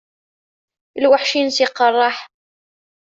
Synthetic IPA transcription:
ilwaħʃinsiqːɑrˤːɑħ

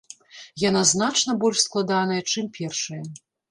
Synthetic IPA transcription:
janaznat͡ʂnɐbɔlʲʂsklˠad̪anɐjɐt͡ʂɨmpʲɛrʂɐjɐ

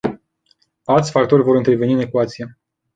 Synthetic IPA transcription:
alt̪sʲfak̚t̪o̞rʲvo̞ɾɨnt̪ɾe̞ve̞niɨne̞kuat̪sije̞

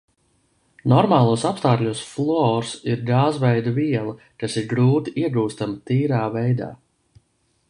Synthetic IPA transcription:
nɔɾmaːlˠuɔsapst̪aːklʲusflˠɔːɾsiɾɡaːzvɛjd̪uviɛlˠa | kasiɾɡɾuːt̪iʔiɛɡuːst̪amt̪iːɾaːvɛjd̪a̰ː

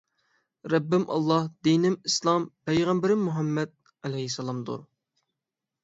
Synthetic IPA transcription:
ɾɛbːɪmʔɑ̰lˠːɑhd̪inɪmislˠɑmpɛjʁæmbɪɾɪmːuɦɑmːɛd̪̚ | ælɛhisɛlˠɑmd̪ṵɾ

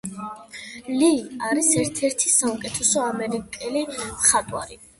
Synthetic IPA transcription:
liaɾisɛɾt̪ʰɛɾt̪ʰisaukʼɛt̪ʰɛsɔamɛɾikʼɛliχat̪ʼwa̰ɾi

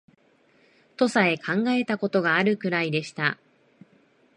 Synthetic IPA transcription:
t̪o̞sae̞kʰãŋɡae̞t̪ako̞t̪o̞ɡaːɾɯ̟kɯ̟ɾaid̪e̞ɕi̥t̪a

